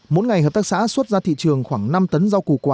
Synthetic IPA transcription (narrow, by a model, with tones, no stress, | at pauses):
mo̰˧˥jŋa˨˩jhəː˨˩p̚t̪aː˦˥k̚sa̰ː˧˥swə˦˥t̚zaː˧t̪ʰḭ˧˨t͡ɕɨ˨˩əŋxwaː˧˩ŋna˧mt̪ə˨˦nza˧wku˨˩kwaː˨˩